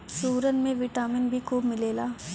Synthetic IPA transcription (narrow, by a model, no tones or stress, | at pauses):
suːɾənmẽʋɪʈaːmɪnbʱikuːbmɪleːlaː